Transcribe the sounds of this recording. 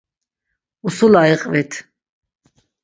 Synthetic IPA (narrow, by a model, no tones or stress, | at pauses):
usulaiqʼvɛt̪ʰ